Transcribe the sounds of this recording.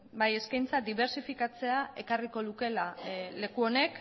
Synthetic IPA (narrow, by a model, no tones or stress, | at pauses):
baje̞skajnt͡sad̪iβ̞e̞ɾsifikat͡se̞aʔe̞kariko̞ðuke̞lale̞kuo̞ne̞k